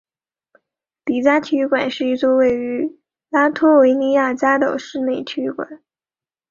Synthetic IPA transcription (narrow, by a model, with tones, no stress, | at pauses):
t̪i˨˩t͡ɕja˥t̪ʰy˧˥kwa˨˩˦nʂɻ̩˥˧i˥t͡swɔ˥˧we˥˩ɪy˧˥ | la˥t̪ʰɔ˥we˧˥ɪni˧˥ja˥˩t͡ɕja˥d̪ə̰˨˩ʂɻ̩˥˧ne˥˩ɪt͡ɕ̪ʰy˧˥kwa̰˨˩˦n